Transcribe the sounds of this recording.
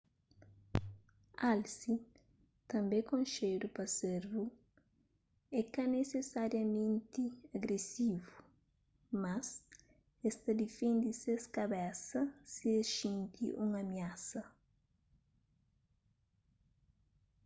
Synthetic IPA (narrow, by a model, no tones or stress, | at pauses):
alsi | t̪ɐ̃mbẽkõnʃejɾupɐseɾvu | ɛkɐnesesaɾjɐmẽnt̪iɐɡɾesivu | mɐs | est̪ɐd̪ifẽnd̪iseskɐbɛsɐsieʃĩnt̪ḭʔũŋɐmjasɐ